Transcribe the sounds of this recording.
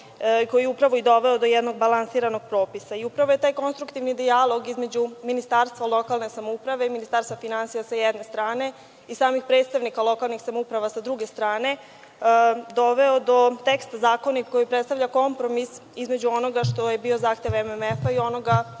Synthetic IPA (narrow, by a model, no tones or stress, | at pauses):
ko̞jijɛupɾaʋo̞id̪o̞ʋe̞od̪o̞jɛd̪no̞ɡ̚balˠansiːɾano̞ɡ̥̚pɾo̞ːpisaiupɾaʋo̞je̞t̪aːjko̞nst̪ɾukt̪iʋnid̪ialˠo̞ɡizme̞d͡ʑuminist̪aːɾst̪ʋalˠo̞kalne̞samoupɾaʋe̞minist̪aːɾst̪ʋafinansijasajɛd̪ne̞st̪ɾaːne̞ | isaːmixpɾe̞ːt̪st̪aʋnikalo̞kalˠnixsamoupɾaʋasad̪ɾuɡe̞st̪ɾaːne̞ | d̪o̞ʋe̞od̪o̞t̪ekst̪azaːko̞nikojipɾet̪st̪avʎʲako̞mpɾo̞misizme̞d͡ʑuo̞no̞ɡaʃt̪o̞jebiozaːxt̪e̞ʋememefaio̞no̞ɡa